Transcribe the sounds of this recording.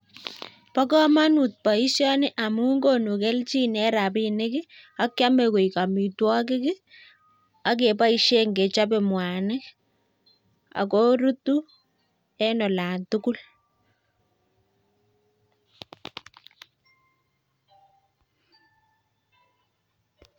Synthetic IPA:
pa˦kɔ˦ma˦nu˨t̚pa˨i˦sjɔ˦nɪ˦ʔa˨mu˦ŋɡo˦nu˨ke˦lt͡ʃi˦nɛ˦ɾa˨pinɪ˦kɪ˦a˦kja˦me˨ko˨i˨ka˨mi˨twɔ˦k̬ɪ˦kɪ˦ | a˦k̬e˨pa˦i˦ʃe˦ŋɡe˨t͡ʃa˦be˨mwa˨nɪ˦ | a̰˨ko˦ɾu˦tu˦ | ɛ˦nɔ˨la˨ntuku˦l

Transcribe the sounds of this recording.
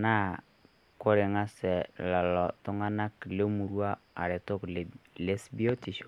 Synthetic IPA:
na˦ | ko˦ɾɪ˨ŋa˦sɛ˨la˨lɔ˨tʊ˦ŋa˦na˦kle˦mu˨ɾu˦a˦a˨ɾe˨tʊ˦klle˦sbi˦o˦ti˨ʃo̥˨

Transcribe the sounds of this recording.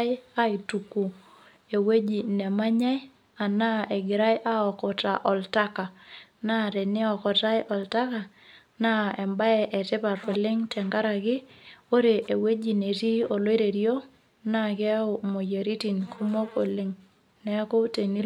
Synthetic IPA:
a˦i˨tu˨ku˨ | e˨we˦d͡ʒi˨nɛ˨ma˦ɲa˦j | a˨na˦ɛ˨ɡɪ˨ɾa˦jʔa˦ɔ˨kɔ˨ta̰˨ʔɔ˨lta˦ka˨na˦˨te˨nɪ˦ɔ˨kɔ˨ta˦jʔɔ˨lta˦ka˨ | na˦ɛ˨mba˦ɛ˨ʔɛ˨tɪ˦pa˨ɾo˨lɪ˦ŋtɛ˨ŋɡa˦ɾa˨ɡɪ˦o˦ɾe˨ʔe˨we˦d͡ʒi˨ne˨ti˦o˨lo˦e˦ɾe˨ɾjo˦ | na˦˨kɛ˦a˦ʊ˨mo˨je˨ɾi˦ti˨nkʰu˦mo˦ko̰˨lɪ˨ŋ | nɛ˦a˦kɔ˦te˨ni˦

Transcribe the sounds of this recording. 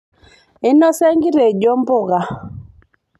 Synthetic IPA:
ɪ˦nɔ˦sɛ˦ŋɡi˦ɾɛ˨ɟɔ˦mbɔ˦˨ɣa˨

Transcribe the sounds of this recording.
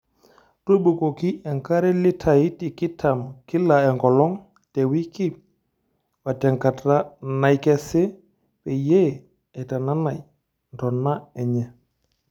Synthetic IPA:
to˦bu˨ko˨ki˦ɛ˨ŋka˦ɾɛ˦lɪ˦tʰa˨i˦tɪ˨kɪ˦tʰa˨mkɪ˦la˨ɛ˨ŋɡɔ˨lɔ˦ŋ | tɛ˨wi˦ki˦ | wa˨tɛ˨ŋka˨ta˦na˨jkɛ˦sɛ˦ | pɛ˨je˦˨ | ɛ˨ta˨na˦na˨j | ntɔ˨na˦ɛ˨ɲɛ˨

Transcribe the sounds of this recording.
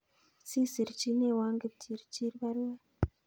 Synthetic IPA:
si˦si˨ɾi˨t͡ʃi˦ne˦˨wa˦ŋɡe˨ptʰi˨ɾi˨t͡ʃi˦ɾi˦βa˦ɾwa˦

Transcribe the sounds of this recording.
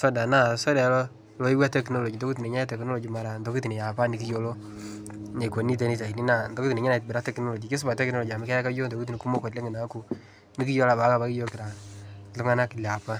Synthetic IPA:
sɔ˦da˨na˦˨sɔ˦dɛ˨˦lɔ˦ | lo˨˦i˦wa˦tɛ˦kno˦lo˨d͡ʒi˨do˦ki˦ti˨e˨ɲa˦tɛ˨kno˦lɔ˨d͡ʒi˨ma˨ɾa˨ndo˨ki˦ti˨ne˨ja˨pa˦ni˨ki˦jo˦lo˦ | ne˨ko˨ni˦t̬e˦ni˦ta˨i˨ni˦na˦˨ndo˦ki˦ti˨ne˨ɲa˦na˨bi˨ɾa˦tɛ˦kno˦lɔ˨d͡ʒi˨ke˦s̬ʊ˦ba˨tɛ˦kno˦lɔ˨d͡ʒi˨a˨mɪ˦kɛ˦a˦ka˦d͡ʒo˦ndo˨ki˦t̬i˨i˨ku˦mo˦ko˨tle˦ŋɪ˨na˨˦ku˨ | ni˦k̬i˦jo˦la˨ba˨˦ka˨ba˦ki˦jo˦kɪ˨ɾa˨lu˦ŋa˦na˦kɪ˨lja˨pa˦

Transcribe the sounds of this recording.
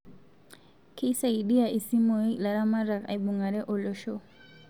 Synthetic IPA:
kʰi˦sa˨iɗi˦a˨ʔi˨si˦mɔ˨˦la˨ɾa˦ma˦ɾa˨ka̰˨iɓu˨ŋɡa˨ɾɛ˦ʔɔ˨lɔ˦ʃɔ˦

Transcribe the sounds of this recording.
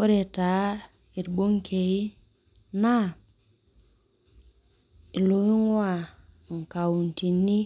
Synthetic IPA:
o˦ɾe˨ta˨˦ | i˨ɾbo˦ŋkʰe˨i˦ | na˦ | i˨lo˨˦i˦ŋwa˦˨ | ŋ̩˨ka˨wu˨n˨ti˨ni˦

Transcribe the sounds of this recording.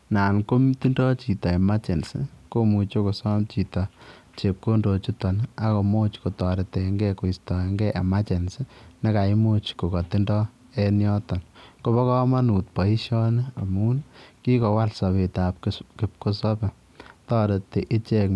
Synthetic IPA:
naː˨nko˦mti˦ndɔ˦t͡ʃi˨tɔ˨ɛ˨ma˦t͡ʃe˨nsɪ̰˦ko˦mu˨t͡ʃo˦ko˨sɔ˦mt͡ʃi˨tɔ˨ | t͡ʃe˨p̚ko˦ndo˨t͡ʃu˦tɔ˨na˦ko˨mo˦t͡ʃko˨tɔ˨ɾɛ˨tɛ˨ŋɡɛ˦ko˨istɔ˨e˦ŋɡɛ˦ʔḛ˨ma˦t͡ʃɛ˨nsɪne˦ka˨i˦mo˦t͡ʃko˨kɔ˨ti˦ndɔ˦ | ɛ˦njɔ˦tɔ˨nko˦bɔ˦kɔ˦ma˦nu˨t̚pɔ˨i˦ʃɔ˦ne˦a˨muː˦nki˦kɔ˨wa˦lsa˨βe˨ta˨pkkɪp̚ko˦sɔ˦pɛ˨ | tɔː˦ɾete˨ʔɪ˦t͡ʃɛ˦k

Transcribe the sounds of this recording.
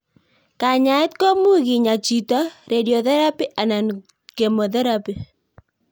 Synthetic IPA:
ka˨ɲa˨ɪ˦t̪ko˦mu˦ɣɪ˨ɲa˨t͡ʃi˨tɔ˦ɾe˨djo˨ðɛ˦ɾa˦pi˦ʔa˨na˨n | ɡe˨mo˨ðɛ˦ɾa˦pi˨

